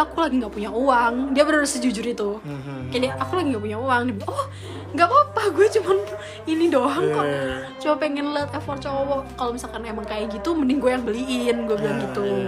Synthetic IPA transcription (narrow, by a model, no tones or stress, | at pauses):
akulaɡiŋɡaʔpuɲauwaŋdiabəɾrsəd͡ʒud͡ʒʊɾit̪u | kadaakulaɡiŋɡapuɲauwaŋdibʔɔh | ŋɡaʔpapaɡuat͡ʃuman | inidoɦaŋka | t͡ʃobapɛŋɛnlət̪afɔrt͡ʃowɔkalomisalkanemaŋkajaɡit̪umənɪŋɡuajaŋbəliɪnɡuabilaŋɡit̪u